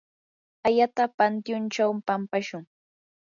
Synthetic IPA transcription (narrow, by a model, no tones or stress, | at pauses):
ajat̪apant̪jʊnt͡ʃawmpampaʃʊŋ